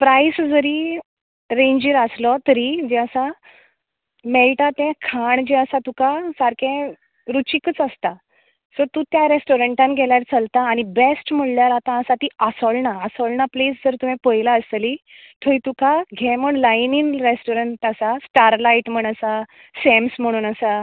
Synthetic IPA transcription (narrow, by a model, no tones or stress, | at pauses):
pɾaisd͡zəɾiː | ɾẽɲd͡ʑiɾəslɔt̪əɾiːd͡ʑɛəsa | mɛlʈat̪ɛ̃kʰaɳd͡ʑɛəsat̪ukasaɾkʰɛ̃ | ɾut͡ɕikət͡səst̪a | səɾt̪ũt̪jaɾesʈoɾəɳʈãnɡʱɛljaɾt͡səlt̪aːɽ̃ibesʈm̤əɽljaɾat̪ãəsat̪iːəsɔɭnaːsɔɭnaplesd͡zəɾt̪um̤ɛ̃pəjlaəsli | t̪ʰəɾit̪ukaɡʱɛ̃m̤əɳlajninɾesʈoɾəɳʈəsasʈaɾlaiʈm̤əɳəsa | semsm̤əɽ̃uːnəsa